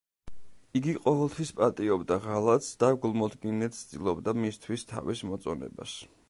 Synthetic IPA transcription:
iɡiqʼɔvɛlˠt̪ʰwispʼat̪ʼiɔbd̪aʁalˠat̪sd̪̥aɡulˠmɔd̪ɡinɛt̪ʰsd̪ʼḭlˠɔbd̪amist̪ʰwist̪ʰa̰vismɔt̪sʼɔnɛ̰ba̰s

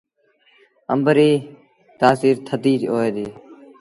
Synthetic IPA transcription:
ə̰mbəɾiː | t̪aːsiːɾt̪ʰəd̪iːɾoːeːd̪iː

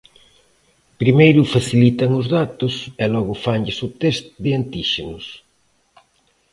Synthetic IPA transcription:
pɾimejɾʊfaθilit̪ɐŋʊzðat̪ʊsɛlɔɣʊfaŋʎɪsʊt̪est̪ðɪant̪iʃenʊs

